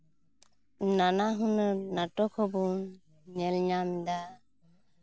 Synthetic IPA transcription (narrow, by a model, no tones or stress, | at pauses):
nanaɦunəɾnaʈɔkʰɔbun | ɲɛlɲamd̪a